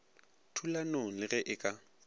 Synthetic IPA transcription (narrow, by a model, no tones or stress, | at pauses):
tʰulanolɪɣɛʔɪkʼa